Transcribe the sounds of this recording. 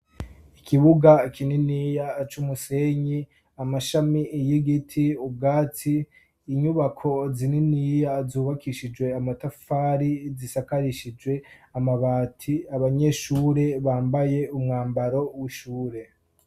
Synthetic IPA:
ikʰiβuɡakʰininiːjat͡ʃumuse̞ɲi | amaʃamijiɡitʰiub̚ɡaːt͡siː | ɲuβakʰo̞zininijazuːβakiʃid͡ʒwe̞amatafaːɾizisakaɾiʃid͡ʒɡwe̞amaβaːtʰiaβaɲe̞ʃuːɾe̞βaːmbaje̞umŋaːmbaɾo̞wiʃuːɾe̞

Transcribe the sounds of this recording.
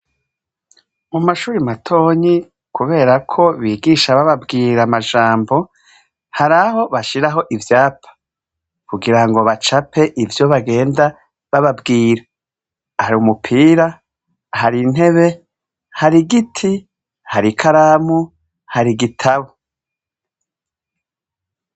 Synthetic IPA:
mumaʃuːɾimatʰo̞ːɲi | kuβe̞ːɾakʰo̞βiːɡiʃaβaβabɡiːɾamaʒaːmbo̞ | haɾaho̞βaʃiɾaɦo̞ʔivjaːpʰḁ | kuɡiɾaŋɡo̞βat͡ʃapʰe̞ʔivjo̞βaɡe̞ːnda | βaβabɡiːɾa | haɾiumupʰiːɾa | haɾin̥he̞βe̞ | haɾiɡitʰi | haɾikʰaɾamu | haɾiɡitʰaβo

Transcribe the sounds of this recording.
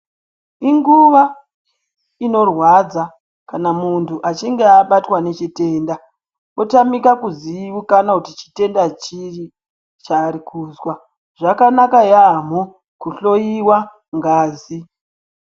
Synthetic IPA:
iŋɡuʋa | ino̞rwad͡za | kanamuntʰuʔat͡ʃiŋɡeaɓatwane̞t͡ʃite̞ːnda | otamikakuziukanakutit͡ʃi̥te̞ndat͡ʃiri | t͡ʃaːɾikʰuːzwa | ʐ̥akanakajaːm̤o | kuɬo̞jiwa | ŋɡaːzi

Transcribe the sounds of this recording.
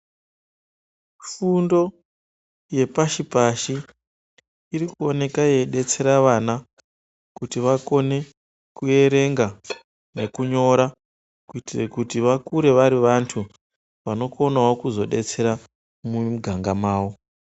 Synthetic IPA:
fundo̞ | je̞paʃipaʃi | ɾikuo̞ne̞kajeɗe̞t͡se̞ɾaʋana | kutiʋako̞ne̞ | kue̞ɾe̞ŋɡa | ne̞kuɲo̞ɾa | kuitirekutiʋakuɾe̞ʋaɾiʋantʰu | ʋano̞ko̞nawokuzo̞ɗe̞t͡se̞ɾa | mumɡʱaŋɡamaːwo̞

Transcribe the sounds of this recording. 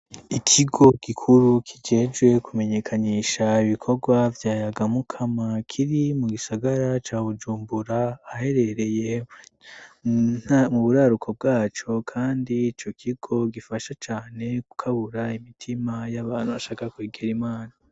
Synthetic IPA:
ikʰiɡo̞ɡ̥ikʰuɾukʰid͡ʒe̞d͡ʒɡwe̞kʰume̞ɲe̞kʰaɲiːʃaiβikʰo̞ɡwavjaːjaɡamukʰamakʰiɾimuɡisaɡaɾat͡ʃaːβud͡ʒuːmbuɾaːhe̞ɾe̞ɾe̞je | namuβuɾaɾukʰo̞b̚ɡaːt͡ʃo̞kʰaːndiːt͡ʃo̞kʰiɡ̥o̞ɡifaʃat͡ʃaːne̞ku̥kʰaβuɾaimitʰimajaβaːn̥huβaʃaːkakwiːɡeɾimaːna

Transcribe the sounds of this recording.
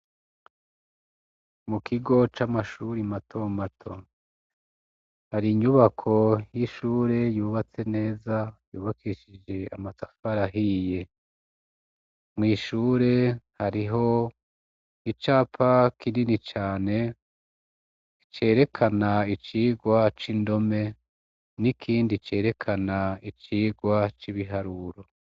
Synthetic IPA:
mukʰiɡo̞t͡ʃamaʃuɾimatʰo̞matʰo̞ | haɾiɲuβakʰo̞jiʃuːɾe̞juːβat͡se̞ne̞ːzajuːβakʰiʃid͡ʒe̞amasafaɾaɦije̞ | mŋiːʃuːɾe̞haɾiɦo̞ | it͡ʃaːpʰakininit͡ʃaːne̞ | t͡ʃe̞ːɾe̞kʰanait͡ʃiːɡwat͡ʃindo̞me̞ | nikʰiːndit͡ʃe̞ːɾe̞kʰanait͡ʃiːɡwat͡ʃiβiɦaɾuɾo

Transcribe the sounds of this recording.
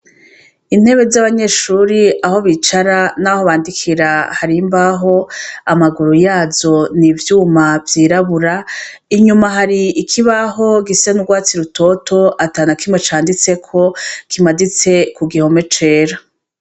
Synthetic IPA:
in̥he̞βe̞zaβaɲe̞ːʃuːɾiaho̞βit͡ʃaɾanaho̞βaːndikʰiɾahaɾimbaɦo̞amaɡuɾujaːzo̞nivjuːmavjiːɾaβuɾa | iɲumaɦaɾiːkʰiβaɦo̞ɡisenuɡwaːt͡siɾuto̞to̞ataːnakimwet͡ʃaːndit͡se̞kʰo̞kʰimadit͡se̞kuɡiho̞me̞t͡ʃe̞ːɾa

